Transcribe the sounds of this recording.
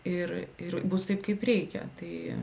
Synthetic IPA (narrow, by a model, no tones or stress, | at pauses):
ɪrɪrbʊst̪ɐɪpkɐɪpɾʲɛɪkʲɛ̰t̪ɐɪ